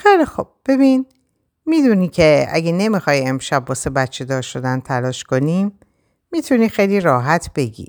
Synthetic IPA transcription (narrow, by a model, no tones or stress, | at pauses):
xejlixob̥̚b̥e̞biːn | miːd̪uniːcʰe̞æ̰ɡene̞mixɒːje̞mʃæbːɒːsebæt̪t͡ʃʰe̞d̪ɒːɾʃo̞d̪ænt̪ʰælɒːʃko̞niːmː | iːt̪ʰuniːxejliɾɒːɦæt̪ʰb̥e̞ɡḭ